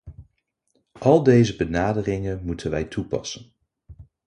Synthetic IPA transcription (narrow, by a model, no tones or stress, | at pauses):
ʔɑlˠdejzəbənaːdərɪŋənmutʰənʋɛjtʰupɑ̰sən